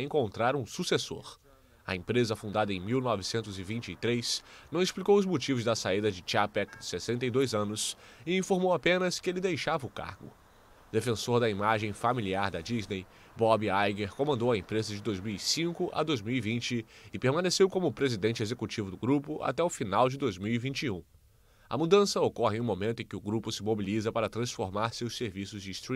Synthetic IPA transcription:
ẽŋkõnt̪ɾaɾũsuseso̰ɾ | ɐ̰ẽmpɾezɐfũnd̪ad̪ɐẽj̃miwnɔvɪsẽnt̪ʊzɪvĩnt͡ʃɪit̪ɾesnɐ̃w̃esplikowʊzmut͡ʃivʊzd̪ɐsaid̪ɐd͡ʒɪt͡ʃiapɛkd͡ʒɪ̥sesẽnt̪ɐjd̪ojzɐ̃nʊs | ɪĩfoɾmowapẽnɐskɪelɪd̪ejʃavɐʊka̰ɾɡʊ̰ | d̪efẽsoɾd̪ɐimaʒẽj̃familiaɾd̪ɐd͡ʒiznej | bɔbiajɡeɾkõmɐ̃nd̪owɐẽmpɾezɐd͡ʒɪd̪ojzmiwisĩŋkʊʔɐ̰d̪ojzmiwivĩnt͡ʃɪːpeɾmɐ̃nesewkõmʊpɾezid̪ẽnt͡ʃɪezekut͡ʃivʊd̪ʊɡɾupʊʔa̰t̪ɛʊfinawd͡ʒɪd̪ojzmiwivĩnt͡ʃiũ | ɐ̰mud̪ɐ̃sɐokɔhɪ̃ũmomẽt̪ʊẽkɪʊɡɾupʊsɪmobilizɐpaɾɐt̪ɾɐ̃sfoɾmaɾsewseɾvisʊzd͡ʒɪst̪ɾi

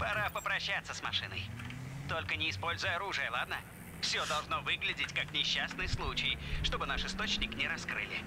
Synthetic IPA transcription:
pɐɾapəpɾɐɕːat̪sːəsmɐ̰ʂɨ̰nə̰jt̪o̞lʲkənʲɪːspo̞lʲzʊjəɐɾuʐɨjəlˠad̪nə | fsʲod̪ɐlˠʐno̞vɨɡlʲɪdʲɪtʲkaknʲɪɕːasnɨjslˠut͡ɕɪjʂt̪o̞bɨnaʂɨst̪o̞t͡ɕnʲɪknʲɪɾɐskɾɨ̰lʲɪ̰

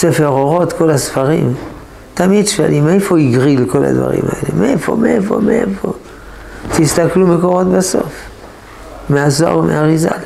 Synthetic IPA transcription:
sefeʁoʁo̞t̪ko̞lasfaʁḭm | t̪amid̪ʃa̰limeefoiɡʁilko̞la̰d̪va̰ʁḭma̰e̞̰lemeefo̞̰meefo̞̰meʔḛfo̞̰ | t̪ist̪aklumeko̞ʁo̞t̪baso̞̰f | meazoa̰ʁomḛaʁiza̰l

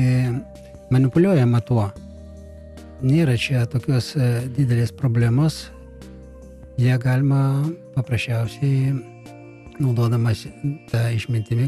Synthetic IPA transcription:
mɐnʲɪpʊlʲuɔjɛmɐt̪uɔ | nʲeːɾɐt͡ʃʲɛt̪oːkʲoːsd̪ʲɪd̪ʲɛlʲeːspɾoːbʲlʲæmoːs | jiɛɡɑːlʲɪmɐpɐpɾɐsʲt͡ʃʲɛʊsʲɛɪ | nɐʊd̪oɔd̪ɐmɐst̪ɑɪʃʲmʲɪnʲt̪ʲɪmʲɪ

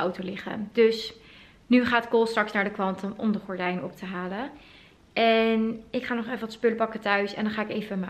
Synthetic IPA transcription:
ʔɔwtolɪχə̰dɵs | nyχaːtkolˠstrɑksnaːɹdəkʋɑntəmɔmdəχɔɹdɛjnɔp̚təɦaːlə | ʔɛnɪkχaːnɔχɛfəʋɑtspøləpɑkətœɥsɛ̰ndɑnχaːɪkejvəʋɔma

